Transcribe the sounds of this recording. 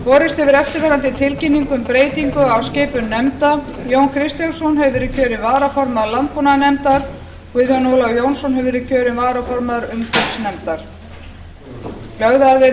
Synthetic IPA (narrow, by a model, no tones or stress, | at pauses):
vɔːɾɪst̪ɪvɪɾɛft̪ɪɾvɛːɾant̪ɪt̪ʰɪlcɪnːiŋkʏmpɾeːjt̪iŋkʏawsceːpʏnːɛmt̪a | joːwnkʰɾɪst̪jansɔnɦɛvʏvɪːɾɪcʰœːɾɪvaːɾafɔɾmaðlant̪̚punanɛmt̪aɾ | kʏðjɔnoːwlawjoːwnsɔnɦɛvʏvɪɾɪ̥cʰœːɾɪvaːɾafɔɾmaðɾʏmkɪp̪snɛmt̪aɾ̥ | lœɣðaðɪ